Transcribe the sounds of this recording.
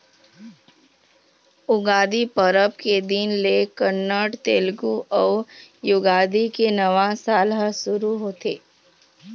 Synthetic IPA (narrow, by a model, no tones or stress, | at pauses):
ʊɡaːd̪ipəɾəbked̪ɪnlekəɾnaːʈt̪eːlɡuʔɔːjʊɡaːd̪ikenəʋãsaːlɦasʊɾuɦoːt̪eː